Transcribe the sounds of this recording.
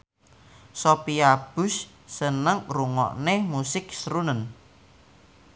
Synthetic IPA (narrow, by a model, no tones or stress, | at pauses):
sopiab̥ʊ̤sː | ənəŋruŋɔ̰ʔnemusɪk̚sɾunən